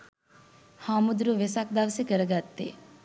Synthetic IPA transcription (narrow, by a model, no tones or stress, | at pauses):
haːmud̪ɾuʋesak̚d̪aʋsekəɾəɡat̪ːḛ